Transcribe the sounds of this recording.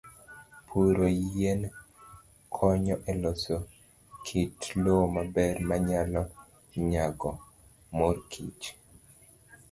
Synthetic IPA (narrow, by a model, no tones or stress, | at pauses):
pʰuɾojen | kʰɔɲɔʔɛloso | kʰitlomabɛrmaɲalɔ | ɲaɡɔ | morkʰḭt͡ʃ